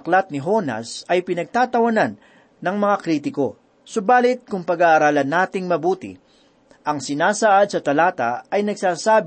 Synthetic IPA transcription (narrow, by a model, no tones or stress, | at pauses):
klat̪̚nɪɦo̞nɐ̰sɐjpɪnɐɡ̚t̪aːt̪ɐwɐnanː | ɐŋmɐŋakɾiːt̪ɪko̞ | sobaːlɪt̪̚kʊŋpɐɡaːʔːɾaːlɐnːaːt̪ɪŋmɐbuːt̪ɪ̰ | ʔɐŋsɪnaːsaʔad̪̚sɐt̪ɐlaːt̪ɐɐjnɐɡsaːsaːb